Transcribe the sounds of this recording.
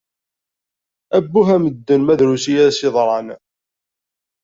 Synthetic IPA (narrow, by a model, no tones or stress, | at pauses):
æbːuɦæməd̪ːənmæðɾusijæsɪðˤɾˤɑn